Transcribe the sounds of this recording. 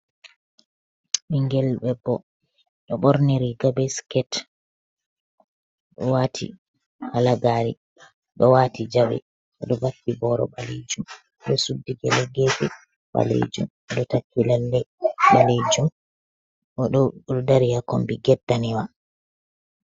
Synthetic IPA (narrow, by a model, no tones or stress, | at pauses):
miŋɡɛlɓɛbɔ | ɗɔɓɔɾniɾiɡabɛskɛt | ɗɔwaːtʰḭ | halaɡaɾḭ | ɗɔwaːtid͡ʒawɛ̰ | ʔɔɗɔbakːibɔɾɔ̰ɓaled͡ʒum | ɗɔsudːiɡɛlɛɡɛd͡ʒɛ | ɓa̰lḛd͡ʒṵm | ɔɗɔtakːilalːɛɓaled͡ʒum | ɔɗɔdaɾijakɔmbiɡɛdːaniwa